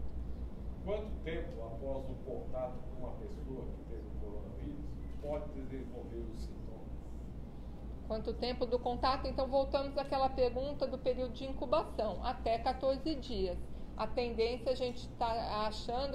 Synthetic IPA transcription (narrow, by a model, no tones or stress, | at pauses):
kwɐ̃nt̪ʊt̪ẽpʊapɔzʊkõt̪at̪ʊ̥kõũmɐpesoɐkɪ̥t̪evɪʊkoɾõnɐviɾʊspɔd͡ʒɪd̪ezẽvowveɾʊsĩnt̪õmɐs | kwɐ̃nt̪ʊt̪ẽmpʊd̪ʊkõnt̪at̪ʊẽnt̪ɐ̃w̃vowt̪ɐ̃mʊzakɛlɐpeɾɡũnt̪ɐd̪ʊpeɾiwd̪ʊd͡ʒɪĩŋkubasɐ̃w̃ʔat̪ɛkat̪oɾzɪd͡ʒiɐsat̪ẽnd̪ẽsjɐaʒẽnt͡ʃɪ̥t̪aaʃɐ̃nd̪